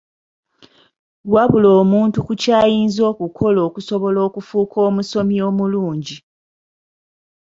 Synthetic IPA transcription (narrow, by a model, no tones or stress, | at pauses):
waβuloːmuːntukucaːjiːnzoːkukʰo̞lo̞ːkuso̞βo̞lo̞ːkufuːkʰo̞ːmuso̞mio̞ːmuluːɲɟi